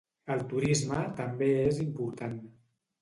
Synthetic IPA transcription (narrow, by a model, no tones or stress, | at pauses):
əlˠt̪uɾizmət̪əmbeezimpuɾt̪an